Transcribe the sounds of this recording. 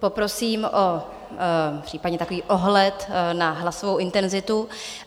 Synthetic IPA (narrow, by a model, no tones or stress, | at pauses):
po̞pɾo̞siːmʔo | pr̝̥iːpadɲɛt̪akoviːʔoɦlɛt̪naɦlasovowʔɪnt̪ɛnzɪt̪u